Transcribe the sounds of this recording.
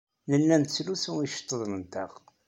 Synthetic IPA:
nənːænt̪əslusuiʃə̥t̪ˤːəðˤnənt̪æ̰ʁ

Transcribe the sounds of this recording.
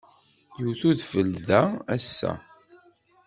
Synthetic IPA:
juwθuðfəlðææsːæ̰

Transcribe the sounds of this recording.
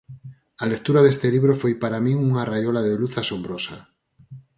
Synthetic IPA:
alek̚t̪uɾaðest̪eliβɾofojpaɾamĩuŋarajolaðeluθasombɾosa

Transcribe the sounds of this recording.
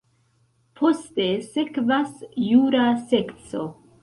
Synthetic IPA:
pʰo̞ste̞se̞kvasjuɾase̞kt͡so̰

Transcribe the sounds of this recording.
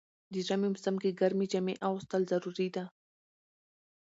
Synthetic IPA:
d̪əʒamimʊsamkeɡaɾmid͡ʒameʔawst̪əlzaɾuɾid̪a

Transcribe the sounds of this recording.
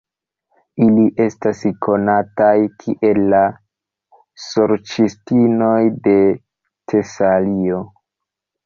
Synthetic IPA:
iliʔe̞staskʰo̞natajkʰiʔe̞lːa | soɾt͡ʃistino̞jde̞ | tʰe̞salio̞

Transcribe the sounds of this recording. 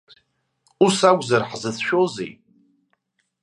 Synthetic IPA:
usæɡʷzəɾħzəθʃozḭ

